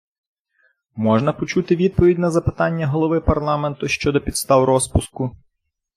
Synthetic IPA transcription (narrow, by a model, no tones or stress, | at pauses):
mɔʒnɐpɔt͡ʃut̪ɪʋʲid̪̚pɔʋʲidʲnɐzɐpɪ̥t̪ɑnʲːɐɦɔlˠɔʋɪpɐrlˠɑment̪ʊʃt͡ʃɔd̪ɔpʲid̪st̪ɑwɾɔspʊskʊ